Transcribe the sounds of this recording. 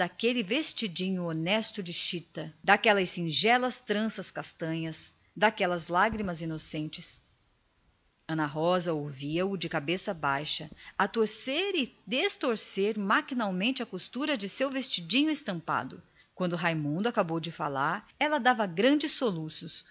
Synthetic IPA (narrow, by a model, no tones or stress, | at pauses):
d̪akelɪvest͡ʃid͡ʒĩɲʊonɛst̪ʊd͡ʒɪʃit̪ɐd̪akɛlɐɪsĩʒɛlɐst̪ɾɐ̃sɐskast̪ɐ̃ɲɐs | d̪akɛlɐzlaɡɾimɐzinosẽnt͡ʃɪs | ɐ̃nɐɦɔzɐowviɐʊd͡ʒɪkabesɐbajʃɐɐt̪oɾseɾɪd̪est̪oɾseɾmakinawmẽnt͡ʃɪɐkust̪uɾɐd͡ʒɪsewvest͡ʃid͡ʒĩɲʊɪst̪ɐ̃mpa̰d̪ʊ̰ | kwɐ̃nd̪ʊɦajmũnd̪ʊakabowd͡ʒɪfalaɾɛlɐd̪avɐɡɾɐ̃d͡ʒɪsːolusʊs